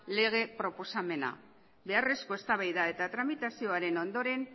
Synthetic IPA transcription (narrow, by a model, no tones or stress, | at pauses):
le̞ɣ̞e̞pɾo̞po̞same̞na̰ | be̞are̞sko̞e̞st̪aβajðae̞t̪at̪ɾamit̪asio̞aɾe̞no̞nd̪o̞ɾe̞n